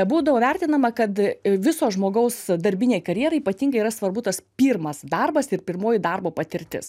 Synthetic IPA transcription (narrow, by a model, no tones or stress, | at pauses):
buːd̪ɐʋoːʋʲæˑrʲt̪ʲɪnɐmɐkɐt̪ʋʲɪsoːʒmoːɡɐʊsd̪ɐɾʲbʲɪnʲeːɪkɐɾʲjiɛːɾɐɪipɐt̪ʲiːŋɡɐɪiɾɐsʋɐrbʊt̪ɐspʲiːrmɐsd̪ɐrbɐsɪɾpʲɪrmoːjɪd̪ɐrboːpɐt̪ʲɪɾʲt̪ʲɪ̰s